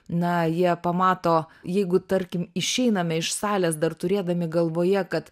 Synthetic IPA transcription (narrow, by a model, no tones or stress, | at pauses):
nɐjiɛpɐmɑːt̪oːjɛɪɡʊt̪ɐɾʲkʲɪmɪʃʲɛɪnɐmʲɛɪʃsɑːlʲɛːs̬d̪ɐrt̪ʊɾʲeːd̪ɐmʲɪɡɐlˠʋoːjɛkɐt̪